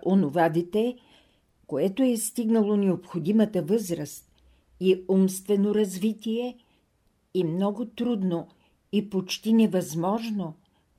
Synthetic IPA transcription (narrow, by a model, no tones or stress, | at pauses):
ʔonovad̪it̪ɛ | koɛt̪oɛst̪iɡnəlˠonɛopxod̪imət̪əvɤzɾəst̪̚ | iumst̪vɛnoɾɐzvit̪iɛ | ɛmnɔɡʊt̪ɾud̪no | ipot͡ʃt̪inɛvɐzmɔʒno